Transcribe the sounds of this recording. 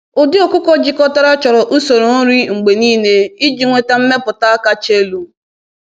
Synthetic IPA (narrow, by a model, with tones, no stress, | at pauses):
ʊ˨dɪ˦o˨ku˦kɔ˦d͡ʒɪ˦kɔ˦ta˦ɾa˦t͡ʃɔ˨ɾɔ˨ʔu˦so˨ɾo˨˦ɾi˦ŋ͡m̩˨ɡ͡be˨niː˦ne˦i˦d͡ʒi˨ŋʷe˨ta˨m̩˦me˦pʊ˨ta˦a˦ka˦t͡ʃe˦lu˦